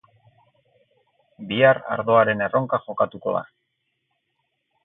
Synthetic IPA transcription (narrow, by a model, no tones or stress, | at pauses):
biaɾa̰ɾðo̞aɾe̞ne̞ro̞ŋkaʝo̞kat̪uko̞̰ða̰